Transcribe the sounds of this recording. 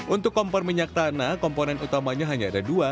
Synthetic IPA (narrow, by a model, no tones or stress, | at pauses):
ʔunt̪ʊkːɔmpɔrmiɲak̚t̪anakɔmponɛnut̪amaɲaɦaɲaːdadua